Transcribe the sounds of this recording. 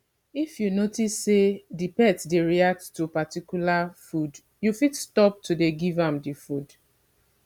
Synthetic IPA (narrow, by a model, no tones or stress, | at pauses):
ifjunotisːedipɛtdeɹiak̚ttupatikjulafud | jufitstɔp̚tudeɡivãmdifud